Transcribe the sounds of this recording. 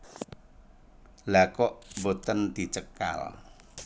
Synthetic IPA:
lakɔʔbot̪ənd̪̥i̤t͡ʃəka̰l

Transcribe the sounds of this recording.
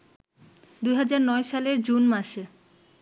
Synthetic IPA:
d̪ujɦad͡ʑaɾnɔeʃaleɾd͡ʑunmaʃe

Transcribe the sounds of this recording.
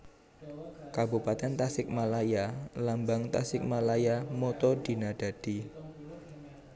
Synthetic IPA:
kabupat̪ɛnt̪asɪk̚malajalambaŋt̪asɪk̚malajamɔt̪ɔd̥i̤naɖ̥a̤d̥i

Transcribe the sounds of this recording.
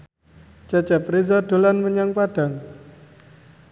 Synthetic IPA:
t͡ʃat͡ʃapɾizɔd̪̥o̤lanməɲaŋpaɖ̥a̤ŋ

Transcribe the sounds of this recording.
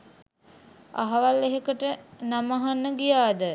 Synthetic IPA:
a̰ɦaʋalːeɦekəʈənamaɦanːəɡijaːd̪ə

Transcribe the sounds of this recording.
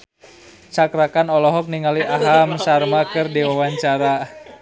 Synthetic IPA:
t͡ʃakɾakanɔlɔɦɔk̚niŋaliʔaɦamsarmakɨrdiwawaɲt͡ʃaɾa

